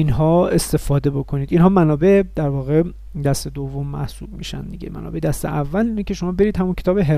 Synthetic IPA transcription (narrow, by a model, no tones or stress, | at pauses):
inɦɒːe̞st̪e̞fɒːd̪e̞bo̞kʰoniːd̪inɦɒːmænɒːbe̞d̪̥æɾvɒːɣe̞ | d̪æst̪e̞d̪ovːo̞mːæ̰hsub̚mḭːʃæ̰nd̪iɟḛmʔæ̰nɒ̰beʔed̪æst̪ḛʔævːælinecʰe̞ʃo̞mɒːbe̞ɾiːd̪̥hæmuncʰe̞t̪ʰɒːbeɦe